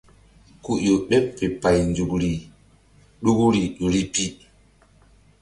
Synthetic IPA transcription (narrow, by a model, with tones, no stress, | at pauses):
ku˨ʔjo˨ɓɛ˦pːe˨pa˨jnd͡ʒu˨kɾi˨ | ɗu˦ku˦ɾi˨ɗo˨ɾi˦pi˦